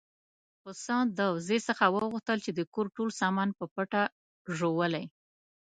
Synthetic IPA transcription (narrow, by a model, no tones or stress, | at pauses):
xʊsɑd̪əwzesəxawəɣuxt̪əlt͡ʃed̪əkoɾʈolsɑmɑnpəpəʈa | ʒowəlaj